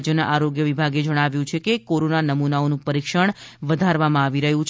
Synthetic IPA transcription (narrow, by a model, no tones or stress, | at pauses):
d͡ʒjənaʔaɾoɡjəʋibʱaɡed͡ʒəɽ̃aʋjũt͡ʃʰekekoɾonanəmunaonũpəɾikʃəɳ̃ʋəd̪ʱaɾʋamãaʋiɾəɦũt͡ʃ